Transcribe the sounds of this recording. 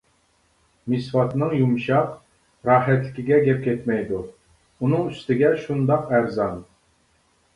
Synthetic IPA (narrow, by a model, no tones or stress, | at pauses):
misfɑt̪nɨŋjumʃɑq | ɾɑːħɛt̪lɪkʲɪɡʲɛɡʲɛp̚kʲʰɛt̪mɛjd̪u | unɨŋyst̪ɪɡʲɛʃund̪ɑqæɾzɑn